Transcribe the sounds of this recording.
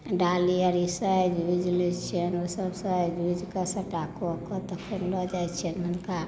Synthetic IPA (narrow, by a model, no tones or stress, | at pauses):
ɖaliəɾisəd͡ʒud͡ʒlit͡ʃʰenosəbsə̃d͡ʒud͡ʒkəsəʈakokɔt̪əkʰəɾlɔd͡ʒat͡ʃʰenmənka